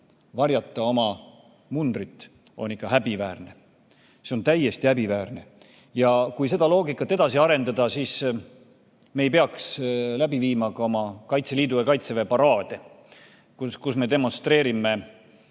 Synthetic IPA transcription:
vɑrjɑt̪ːˑɑo̞mɑ | mund̪rit̪ːˑ | o̞̰nːikːɑɦæbivæːrne̞ | seo̞nt̪æje̞st̪iæbivæːrne̞ | jɑkujse̞d̪̥ɑlo̞ːɡikːˑɑt̪ːe̞d̪ɑsiɑɾe̞nd̪ɑd̪̥ɑsis | me̞jpe̞ɑkslæbiviːmɑkɑo̞mɑkɑjt̪se̞liːd̪ujɑkɑjt̪sevepɑɾɑːd̪̥e̞ | kukusme̞d̪e̞mo̞nst̪ɾe̞ːɾime̞

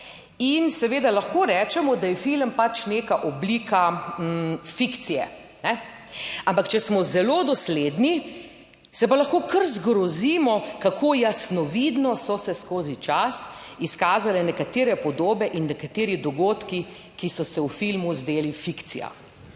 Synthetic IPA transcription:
insɛʋeːd̪alaxkoːɾɛːt͡ʃɛmɔd̪ajɛfilmpat͡ʃneːkaʔɔblikʰa | fikt̪sijɛ | nɛ | ampakt͡ʃɛsmɔzɛlod̪ɔsled̪ni | sɛpalɐxkoːkəɾzɡɾɔziːmɔkakʰoːjasnɔʋid̪nɔsɔsɛskoːzit͡ʃasiskaːzalɛnɛkat̪eːɾɛpɔd̪oːbɛʔinːɛkat̪eːɾid̪ɔɡoːt̪ki | kisɔsɛwfilmuzd̪eːlifikt̪sḭja̰

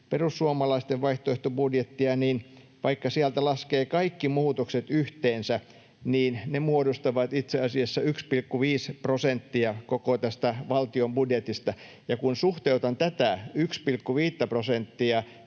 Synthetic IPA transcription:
perusːuomɑlɑist̪eʋʋɑiht̪oeht̪obudjet̪ːiɑniːn | ʋɑikːɑsiælt̪ælɑskeːkɑikːimuːt̪okset̪yht̪eːnsæ | niːnnemuodost̪ɑʋɑt̪it̪seɑsiɑsːɑykspilkːuʋiːsprosent̪ːiɑkokot̪æst̪æʋɑlt̪iombudjet̪ist̪ɑ | jɑkunsuht̪eut̪ɑnt̪æt̪æykspilkːuʋiːt̪ːæprosent̪ːiɑ

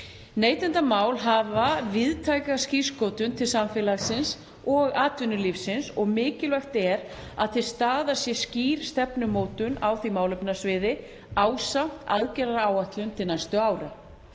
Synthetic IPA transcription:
neːjt̪ɪnt̪amaːwlɦaːvavɪðt̪ʰaːjkasciskowt̪ʏnt̪ʰɪlsamfɛːlaɣsɪns | ɔɣaːt̪vʏnːʏlifsɪnsɔɣmɪːcɪlvɛxt̪ɛɾ | a̰ðθɪst̪aːðasjɛsciːɾ̥st̪ɛpnʏmoːwt̪ʏnaːwθimaːwlʏpnasvɪːðɪ | aːwsam̥t̪a̰ðcɛɾaɾaːwaht̪lʏnt̪ʰɪlnajst̪ʏaːwɾa

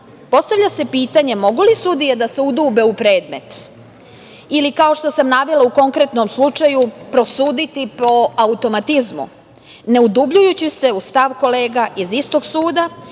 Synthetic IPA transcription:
po̞st̪aʋlʎase̞piːt̪aɲe̞mo̞ɡulisud̪ijed̪aseud̪uːbe̞upɾe̞ːd̪me̞t̪ | ilikao̞ʃt̪o̞samnaːʋelauko̞ŋkɾe̞t̪nomslˠut͡ʂajupɾo̞suːd̪it̪ipo̞aut̪o̞mat̪izmṵ | ne̞ud̪ubʎujut͡ɕise̞ust̪aʋko̞leːɡaʔizist̪o̞ɡsuːd̪a

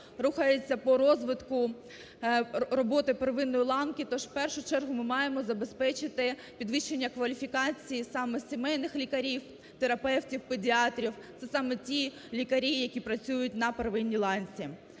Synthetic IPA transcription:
ruxɐjet͡sʲːɐpɔɾɔzʋɪt̪kʊ | rɔbɔt̪ɪpeɾʋɪnːɔjilˠɑnkɪt̪ɔʃwpɛrʃʊt͡ʃɛrɦʊmɪmɑjemɔzɐbe̞spɛt͡ʃɪt̪ɪ | pʲid̪ʋɪʃt͡ʃːe̞nʲːɐkʋɐlʲifʲikɑt͡sʲijisɑmɛsʲemɛjnɪxlʲikɐɾʲiw | t̪eɾɐpɛwtʲiwpedʲiɑt̪ɾʲiwt̪sɛsɑmɛtʲi | lʲikɐɾʲijɐkʲipɾɐt͡sʲujʊt̚ʲnɐpeɾʋɪnʲːilˠɑnʲt͡sʲi

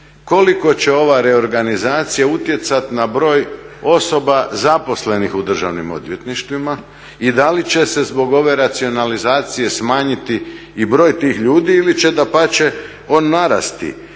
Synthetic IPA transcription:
ko̞liko̞t͡ɕe̞o̞ʋaɾe̞o̞ɾɡanizaːt̪sijaut̪je̞t̪sat̪inabɾo̞ːjo̞so̞bazapo̞sle̞nixud̪r̩ʒa̰ʋnimo̞̰d̪ʋje̞t̪niʃt̪ʋima | id̪alit͡ɕe̞se̞zbo̞ɡo̞ʋe̞ɾat̪sio̞nalizaːt̪sije̞smaːɲit̪iː | bɾo̞ːjt̪iːxʎuːd̪iilit͡ɕe̞d̪apat͡ɕe̞ | oːnːaɾa̰st̪ḭ

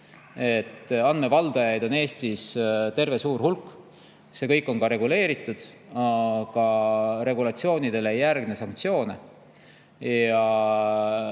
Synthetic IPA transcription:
e̞t̪ːˑɑnme̞vɑld̪̥ɑjɑjd̪̥o̞ne̞ːst̪ist̪e̞rve̞suːrhulkˑː | se̞kɤjkːˑo̞nkɑɾe̞ɡule̞ːɾit̪ˑːud̪̥ | kɑɾe̞ɡulɑt̪sio̞ːnid̪̥e̞lejærɡ̥ne̞sɑŋk̚t̪sio̞ːne | jɑ

